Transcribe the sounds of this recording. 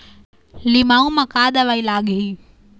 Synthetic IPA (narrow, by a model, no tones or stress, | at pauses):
limaːũmãkaːd̪əʋailaːɡɦiː